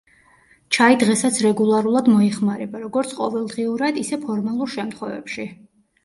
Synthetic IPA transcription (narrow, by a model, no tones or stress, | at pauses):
t͡ʃʰaid̪ʁɛsat̪sʰɾɛɡulˠaɾulˠad̪mɔɛχmaɾɛbaɾɔɡɔɾt̪sʰqʼɔ̰vɛlˠd̪ʁiuɾad̪isɛpʰɔɾmalˠuɾʃɛmt̪ʰχwɛvɛ̰pʃi